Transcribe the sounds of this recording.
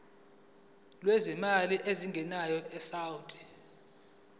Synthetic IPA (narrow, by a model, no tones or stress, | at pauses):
lwezimaliʔeziŋɡʱɛnajɔɛsawtʰʼi̥